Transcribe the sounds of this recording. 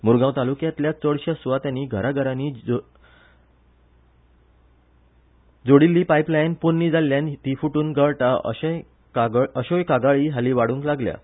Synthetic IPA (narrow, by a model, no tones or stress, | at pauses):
muɾɡãwt̪alukjãt̪ljat͡səɽɕasuʋat̪janːiːɡʱəɾaɡʱəɾaniː | d͡zoɽilːiːpajplajnpunːiːd͡zalːjant̪ifuʈuːnɡəɭʈaə̰ɕ | kaɡəɕojkaɡaɭiːɦaliːʋaɽũŋklaɡlja̰